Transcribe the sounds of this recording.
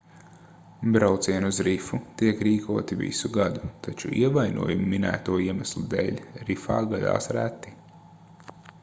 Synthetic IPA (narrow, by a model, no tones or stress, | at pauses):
bɾawt̪siɛnuzɾifut̪iɛkɾiːkuɔt̪ivḭsuɡad̪ut̪at͡ʃṵiɛvajnʔṵɔjumːinæ̰ːt̪uɔiɛmæslˠud̪ɛ̰lʲɾifa̰ːɡad̪a̰ːsɾæt̪ːi